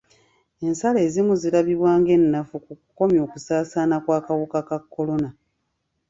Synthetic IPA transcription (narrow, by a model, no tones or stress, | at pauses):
e̞nsale̞ːzimuzilaβiβwaːŋɡe̞nːafukukuko̞mjo̞ːkusaːsaːnakwaːkawukakakːo̞lo̞na